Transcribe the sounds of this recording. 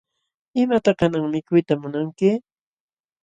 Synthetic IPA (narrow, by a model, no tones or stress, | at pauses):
ɪmat̪ɑkanaŋmɪkʊjt̪amʊnaŋkɪ